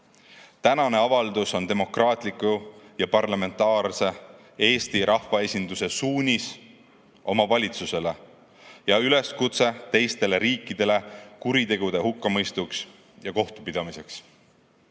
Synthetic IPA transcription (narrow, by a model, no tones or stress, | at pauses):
t̪ænɑne̞ɑvɑld̪uso̞nt̪e̞mo̞krɑːt̪ˑlikˑujɑpɑrlɑme̞nt̪ːˑɑːrse̞ | e̞ːst̪iɾʔɑhvɑe̞sʲind̪use̞suːnʲis | ʔo̞mɑvɑlʲit̪suse̞le̞ | jɑyle̞skut̪se̞t̪e̞jst̪e̞le̞ɾiːkːˑid̪̥e̞le̞kuɾit̪e̞ɡ̥ud̪̥e̞hukːɑmɤjst̪uks | jɑko̞ht̪u̥pid̪̥ɑmise̞ks